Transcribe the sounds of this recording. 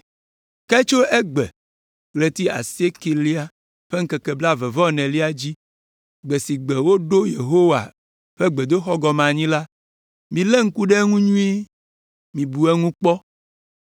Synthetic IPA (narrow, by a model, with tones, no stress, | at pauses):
kɛ˦t͡ʃo˦ɛ˦ɡ͡bɛ˨ | ɡle˨t̪i˦a̰˨si˦e˦ki˨li˦a˦ | ɸe˦ŋ̩˦kɛ˨kɛ˨bla˦vɛ˨vɔ˦nɛ̃˨li˦a˦d͡ʑi˦ | ɡ͡bɛ˨si˨ɡ͡bɛ˨wo˦ɖo˦je˨ɦo˦wa̰˨ | ɸe˦ɡ͡be˨d̪o˦xɔ˦ɡɔ˨mã˨ɲĩ˦la˦ | mĩ˨lɛ˦ŋ̩˦ku˦ɖɛ˦ŋũ˦ɲũ˦i˦ | mĩ˨bu˨ɛ˦ŋũ˦k͡pɔ˦